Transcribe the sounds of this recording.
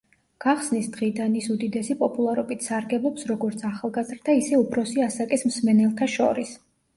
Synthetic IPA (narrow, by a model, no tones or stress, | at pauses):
ɡ̥aχsnisd̪ʁid̪anisud̪id̪ɛsipʼɔpʼulˠaɾɔbit̪ʰsaɾɡɛblˠɔpsɾɔɡɔɾt̪sʰaχalˠɡazɾd̪aisɛupʰɾɔsiasakʼismsmɛnɛlˠqʰɛʃɔ̰ɾis